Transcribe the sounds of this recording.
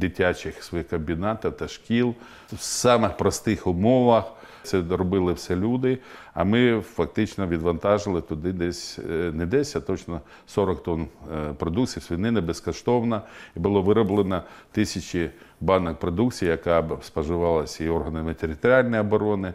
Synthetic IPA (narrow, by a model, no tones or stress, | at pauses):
d̪ɪtʲat͡ʃɪxsʋɔjixkɐmbʲinɑt̪ɐwt̪ɐʃkʲilˠ | wsɑmɪxpɾɔst̪ɪxʊmɔʋɐx | sɛɾɔbɪlˠɪwsɛlʲud̪ɪ | ɐ̰mɪfɐk̚t̪ɪt͡ʃnɔʋʲid̪ʋɐnt̪ɑʒɪlˠɪt̪ʊd̪ɪd̪ɛsʲnɛd̪ɛsʲɐt̪ɔt͡ʃnɔ | sɔɾɔkt̪ɔnpɾɔd̪uk̪t͡sʲijwsʲʋʲinɪnɛbeskɔʃt̪ɔwnɐibʊlˠɔʋɪɾɔblˠenɐt̪ɪsʲɐt͡ʃʲɪbɑnɐkpɾɔd̪ukt͡sʲijjɐkɑspɐʒʊʋɑlˠɐsʲɐiɔrɦɐnɪmɪt̪eɾʲɪt̪ɐɾʲɪalʲnɔjɐbɔɾɔnɪ